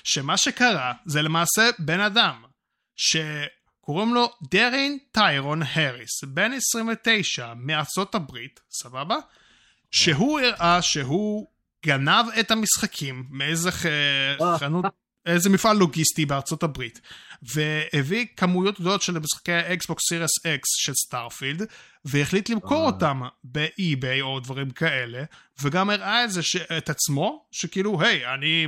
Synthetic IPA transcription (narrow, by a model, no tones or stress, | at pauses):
ʃe̞maʃe̞kaʁazelemaːse̞be̞nadam | ʃe̞ | koʁimlo̞deʁintajʁonheʁisbe̞nesʁiɱvete̞jʃamiaʁt͡so̞tabʁit | sababa | ʃe̞ɦuiʁʔaʃeɦu | ɡanavetamisχakʰimːeejzeχeχanut̚ | ezemifʔalːo̞ɡistibeaʁt͡so̞tabʁitveevikamujo̞t̚ɡ̚dolot̪ʃelmisχḁkejhaeksbo̞ksiʁeseksʃelstaʁfild̪ | veeχlitlimko̞ʁotambeʔibejo̞dvaʁimkaʔe̞le̞veɡamiʁʔaezeʃeʔːt̪at͡smo̞ʃekiiluɦe̞jani